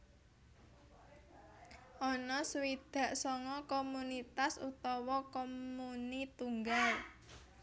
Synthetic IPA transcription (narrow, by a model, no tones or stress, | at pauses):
ʔɔnɔsuwid̪̥ä̤ʔsɔŋɔkomunit̪asṵt̪ɔwɔkomunit̪uŋɡal